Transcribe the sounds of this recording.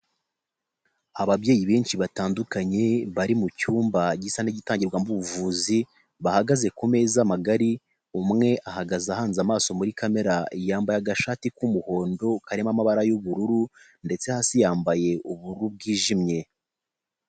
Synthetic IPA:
aβabɟe̞ːjiβeːnʃiβataːndukaɲe̞βaɾimucuːmbaɟisaneɟitaːɲɟiɾɡwambuβuvuːzi | βahaɡaze̞kume̞ːzamaɡaɾi | umŋe̞ʔahaɡazahaːnzamaːso̞muɾikame̞ɾaijaːmbajaɡaʃatikumuho̞ːndo̞kaɾe̞mamaβaɾajuβuɾuɾu | nde̞t͡sehasijaːmbaje̞ʔuβuɾub̚ɡiːʒimɲe̞

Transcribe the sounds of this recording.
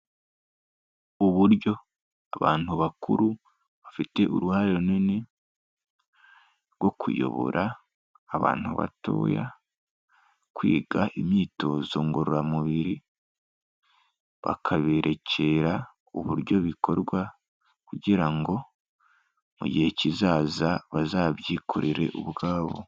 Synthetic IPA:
uβuɾɟo̞ | aβaːn̥huβakuɾu | βafite̞ʔṵɾuhaɾeɾunine | ɾɡwo̞kʰṵjo̞̰βo̰ɾʔaː | βa̰ːn̥huβa̰to̞̰ːja̰ | kwiːɡaʔimiːto̞zo̞ŋɡoɾuɾamuβiɾi | βa̰kʰaβeɾʔe̞cʰe̞ɾa | uβuɾɟo̞βikʰo̞ɾɡwa | kuɟiɾaŋɡo̞ | muɟihe̞cizaːzaβazaːβjiːkʰoɾiɾe̞̰ʔuβɡaːβo̰

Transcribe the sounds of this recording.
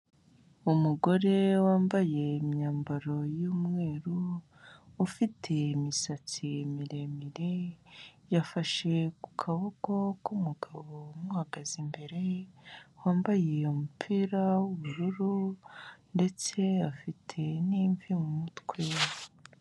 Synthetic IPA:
umuɡo̞ɾe̞waːmbaje̞imɲaːmbaɾo̞juːmŋe̞ːɾuː | fitʰe̞imisat͡simiɾe̞miɾe̞ | jafaʃe̞ku̥kʰaβuko̞kumuɡaβo̞muhaɡazimbe̞ɾe̞ | waːmbaje̞umupʰiɾawoβuɾuɾu | nde̞t͡se̞afitʰe̞niːɱvimumutkwewa

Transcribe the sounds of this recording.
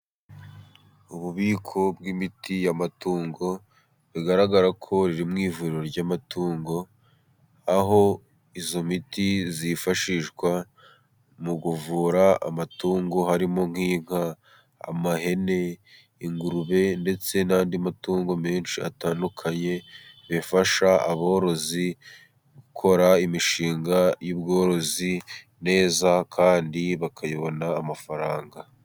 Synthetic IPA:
uβuβiːkʰo̞b̚ɡimitijamatuːŋɡo̞ | βiɡaɾaɡaɾakʰo̞ɾiɾimŋiːvuɾiɾo̞ɾɟaːmatʰuːŋɡo̞ | aɦo̞ | izo̞mitizifaʃiʃɡwa | muɡuvuːɾaa̰matuːŋɡo̞haɾimo̞ŋ̥hiːŋ̥ha̰ː | maɦe̞ne̞ | iŋɡuɾuβe̞nde̞t͡se̞naːndiamatuːŋɡo̞me̞ːnʃia̰taːndukʰaɲe̞ | βefaʃaa̰βo̞ːɾo̞zi | ɡukʰo̞ɾaimiʃiːŋɡajuːbɡo̞ːɾo̞zi | ne̞ːzakʰaːndiβakʰajiβo̞naːmafaɾaːŋɡa

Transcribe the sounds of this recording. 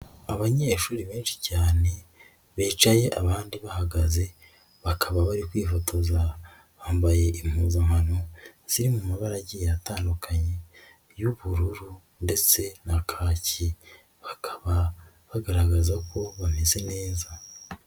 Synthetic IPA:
aβaɲeːʃuːɾiβeːnʃi̥caːne̞ | βeːt͡ʃaje̞ʔaβaːndiβahaɡaze̞ | βakʰaβaβaɾikwiːfo̞tʰo̞za | βaːmbaje̞ʔim̥huːzamhanoz̥iɾimumaβaɾaɟijataːndukʰaɲe | juβuɾuɾu | nde̞t͡se̞nakʰaːci | βakʰḁβa | βaɡaɾaɡazako̞βameze̞ne̞ːza

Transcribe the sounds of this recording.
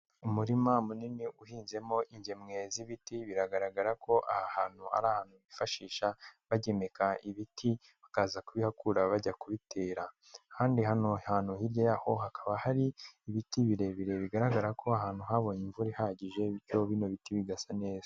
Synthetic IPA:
umuɾimamuniniʔuhiːnze̞mo̞ʔiɲɟe̞mŋe̞ziβitiβiɾaɡaɾaɡaɾako̞ʔahahaːn̥hua̰ɾaːhaːn̥huβifaʃiːʃaβaɟe̞me̞kaiβitʰi | βakaːzakuβihakuɾaβaɟakuβitʰeːɾa | kʰaːndihano̞haːn̥huhiɾɟojaːho̞hakʰaβahaɾiːβitiβiɾe̞βiɾe̞βiɡaɾaɡaɾakʰo̞aɦaːn̥huɦaβoɲiɱvuɾihaɟiʒe̞βiɾjo̞βino̞βitiβiɡasane̞ːz̥

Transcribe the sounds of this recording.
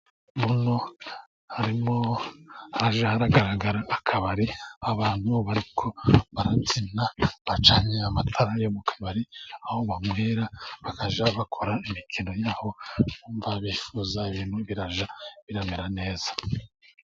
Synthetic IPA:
muno̞ | haɾimohaɾaʒahaɾaɡaɾaɡaɾaːkʰaβaɾiaβaːnhuβoβaɾikʰo̞βaɾat͡sinaβat͡ʃaːɲeamatʰaɾajomukʰḁβaɾiaho̞βamwiːɾaβakaʒaβakʰo̞ɾaimikʰino̞jaːho̞nuːɱvaβiːfuzaiβiːn̥huβiɾaʒaβiɾameɾane̞ːz̥ḁ

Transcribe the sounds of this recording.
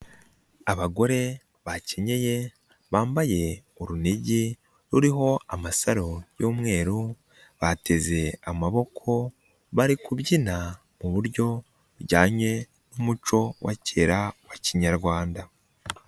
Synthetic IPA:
aβaɡo̞ɾe̞ | βace̞ɲe̞je̞ | βaːmbaje̞ | uɾuniɟi | ɾuɾiɦo̞amasaɾo̞juːmŋe̞ːɾu | βatʰe̞ze̞amaβo̞kʰo̞ | βaɾikuβɟina | muβuɾɟo̞ | uɟaːɲe̞ | numut͡ʃo̞wʔa̰ceːɾawaciɲaɾɡwaːnda

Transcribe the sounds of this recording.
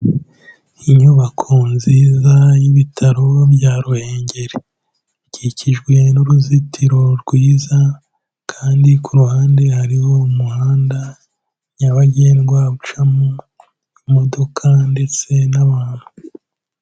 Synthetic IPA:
iɲuβakʰonziːzajiβitʰaɾo̞bjaːɾuhe̞ːɲɟe̞ɾe | ciciʒɡwe̞nuɾuzitʰiɾo̞ɾɡwiːza | kʰaːndikʰuɾuhaːnde̞haɾiho̞umuhaːnda | ɲaβaɟenɡwaβut͡ʃamu | imo̞do̞kʰande̞t͡se̞naβaːn̥hu

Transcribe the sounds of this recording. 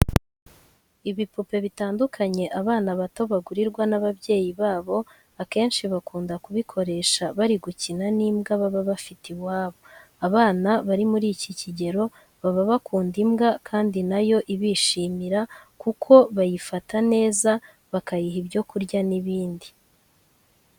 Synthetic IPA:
iβipupe̞βitaːndukʰaɲe̞ʔaβaːnaβatoβaɡuɾiɾɡwanaβaβɟe̞ːjiβaːβo̞ | ake̞ːnʃiβakuːndakuβikʰo̞ɾe̞ːʃaβaɾiɡucinaniːmɡaβaβaβafitiβwaːβo̞ | aβaːnaβaɾimuɾiːciciɟe̞ɾo̞ | βaβaβakuːndimɡakʰaːndinajo̞ʔiβiːʃiːmiɾakukʰo̞βajifatʰane̞ːza | βakajiɦibjo̞kuɾɟaniβiːndi

